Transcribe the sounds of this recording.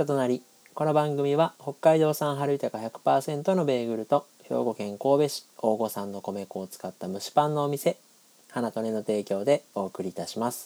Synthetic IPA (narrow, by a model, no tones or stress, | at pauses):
ot̪o̞naɾʲi | ko̞no̞bãŋɡɯ̟mʲiβaho̞kːaid̪o̞ːsãɰ̃ɦaɾɯ̟it̪akaçakɯ̟̥paːsẽ̞nt̪o̞no̞be̞ːɡɯ̟ɾɯ̟t̪o̞ | çʲo̰ːɡo̞kẽ̞ŋko̞ːbe̞ɕi̥o̞ːɡo̞sãnːo̞ko̞me̞ko̞ːt͡sɨ̥kat̪ːamɯ̟ɕi̥pãnːo̞ːmʲise̞ | hanat̪o̞neno̞t̪e̞ːkʲo̞ːd̪e̞o̞ːkɯ̟ɾʲiːt̪aɕimasɨ̥